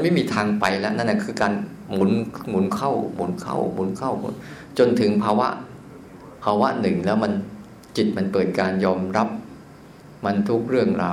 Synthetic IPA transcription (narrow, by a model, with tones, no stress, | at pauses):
ma˧nma˥˩jmiː˧t̪ʰaː˧ŋpa˧jlɛ˦˥ʔna˥˩na˧˥˩kʰɯː˧kaː˧n | mu˩˦nmu˨˩˦nkʰa˥˩wmṵ˨˩˦nkʰa̰˥˩wmṵ˨˩˦nkʰa̰˥˩wmṵ˨˦n | t͡ɕo˧nt̪ʰɯ˩˦ŋpʰaː˧wa̰˦˥ʔ | pʰaː˧wa˦˥nɯ˨˩ŋlɛː˦˥wma˧n | t͡ɕi˨˩t̪̚ma˧npɤː˨˩t̪̚kaː˧njɔː˧mɾa˦˥p̚ | ma˧nt̪ʰu˦˥k̚ɾɯ˥˩əŋɾaː˧